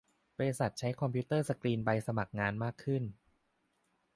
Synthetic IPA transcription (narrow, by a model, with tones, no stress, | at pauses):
bɔ˧ɾe˧sa˨˩t̪̚t͡ɕʰa˦˥jkʰɔ˧mpʰiː˦˥t̪ɤː˥˩sa˧kɾiː˧nba˧jsa˧ma˨˩k̚ŋaː˧nmaː˥˩kʰːɯ˥˩n